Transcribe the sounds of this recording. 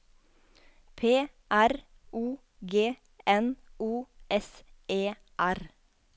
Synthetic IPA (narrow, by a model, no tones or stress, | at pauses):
pʰeː | ʔæɾ | ʔuː | ɡeː | ɛnuːʔɛseː | ʔæɾ